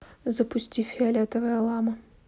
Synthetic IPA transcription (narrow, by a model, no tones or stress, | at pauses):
zəpʊsʲtʲifʲːɪɐlʲɛt̪əvəjəlˠamə